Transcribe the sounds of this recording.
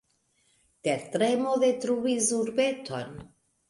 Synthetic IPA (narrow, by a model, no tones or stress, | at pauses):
teɾtɾemodetɾuvisuɾbe̞tʰo̞̰n